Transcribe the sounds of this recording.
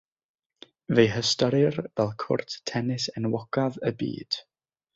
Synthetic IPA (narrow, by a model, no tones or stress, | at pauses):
vejɦəstɔɾɪrvɛlˠkʰʊ̰rttʰɛnɪsɛnwɔɡ̥aðəbḭːd̥